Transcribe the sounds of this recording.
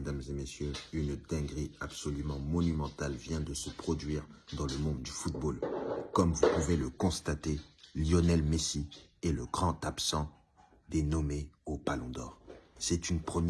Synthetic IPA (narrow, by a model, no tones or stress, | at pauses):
med̪amzemesjøynd̪̥ɛ̃ɡʁiabsɔlymɑ̃mɔnymɑ̃t̪alvjɛ̃d̪əsəpχɔd̪ɥiʁd̪ɑ̃ləmɔ̃d̪̚ːyfut̪̚bolkɔmvupuveləkɔ̃st̪at̪eljɔnɛlmesiɛləɡʁɑ̃t̪apsɑ̃ | d̪enɔmeopalɔ̃d̪ɔːʁsɛt̪ynpχəm